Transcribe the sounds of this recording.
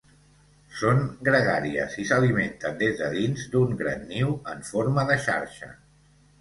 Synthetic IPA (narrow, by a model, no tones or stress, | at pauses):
soŋɡɾəɣaɾiə̰zisəliment̪ənd̪ezðəðinzd̪uŋɡɾa̰nːiwəɱfoɾməðəʃa̰ɾʃə̰